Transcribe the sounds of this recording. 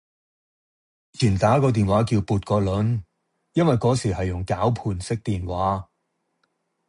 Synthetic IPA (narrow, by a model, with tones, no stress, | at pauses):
t͡ʃʰyː˨˩nt̪aː˨˥kɔː˧t̪iː˨nwaː˨˥kiː˧wpuː˨t̚kɔː˧lɵ˨˥n | jɐ˥nwɐ˨jkɔː˨˥siː˨˩ɦɐ˨jːʊ˨˩ŋkaː˨˥wpʰuː˨˧nsɪ˥k̚t̪iː˨nwaː˨˥